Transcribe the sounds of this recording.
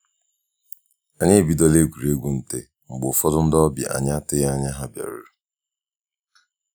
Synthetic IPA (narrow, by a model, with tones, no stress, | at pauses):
a˨ɲe˦˨bi˦dɔ˦le˦ɡʷu˨ɾe˦ɡʷu˨n̩˨te˦ | ŋ͡m̩˨ɡ͡bʊ˨fɔ˦dʊ˦n̩˦dɔ˦bḭ˨ʔa̰˨ɲa˦tɪ˦ja˦ɲa˦ɦa˦bja̰˨ɾʊ˦